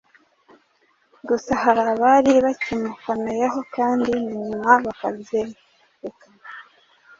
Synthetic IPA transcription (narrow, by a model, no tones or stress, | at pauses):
ɡusahaɾaβaɾiβacimukanejeɦo̞kaːndiniɲumaβakabje | ekana